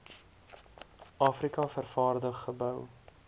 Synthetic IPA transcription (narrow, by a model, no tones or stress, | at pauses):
ʔɑːfrikɐfərfɑːrdəχːəbœw